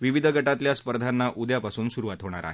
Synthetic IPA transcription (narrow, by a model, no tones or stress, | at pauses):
ʋiʋid̪ʱəɡəʈat̪ljaspəɾd̪ʱanːaʔud̪japasuːnsuɾuʋat̪ɦoɽ̃a̰ɾa̰ɦe